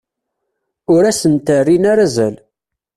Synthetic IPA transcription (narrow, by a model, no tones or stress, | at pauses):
ʊɾæsənt̪ərːinaɾæzæl